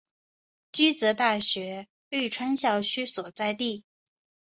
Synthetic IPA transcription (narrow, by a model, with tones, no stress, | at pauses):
t͡ɕy˥t͡sɤ˧˥t̪a˥˩ɕɥɛ˧˥ | y˥˩ʈ͡ʂʰwa˥nɕjɑ˥˩ʊt͡ɕʰy˥swɔ˨˩t͡sa˥˧ɪt̪i˥˩